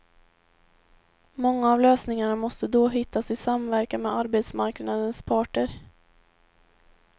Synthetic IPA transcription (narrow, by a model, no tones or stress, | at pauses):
mɔŋːaːvløːsnɪŋaɳamɔst̪əd̪ɔɦɪt̪ːasɪsamvæɾkanmɛaɾbeːt̪smaɾknad̪ənspʰɑːʈəɾ